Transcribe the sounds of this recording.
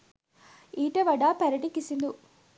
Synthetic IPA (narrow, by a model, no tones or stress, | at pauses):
iːʈɐʋɐɖaːpɐɾɐʈikisind̪u